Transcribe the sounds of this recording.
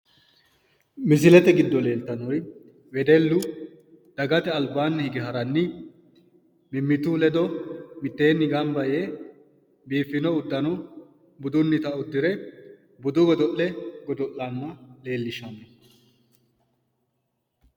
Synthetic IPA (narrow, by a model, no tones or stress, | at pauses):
mɪs̬ɪlɛt̪ɛɡɪd̪ːɔle̞ːlt̪ɐnɔj | wɛd̪ɛlːʊ | d̪̥ɐɡɐt̪ɛɐlbaːnːɪhɪɡɪɦɐɾɐnːɪ | mɪmːɪt̪ulɛd̪ɔmɪt̪ːe̞ːnːɪɡɐmbɐje | biːfːɪnɔʊd̪ːɐnɔ | bʊd̪ʊnːɪt̪ɐʊd̪ːɪɾɛ | bʊd̪ʊɡɔd̪ɔʔɛɡɔd̪ɔʔːanːɐle̞ːlːɪʃɐnɛ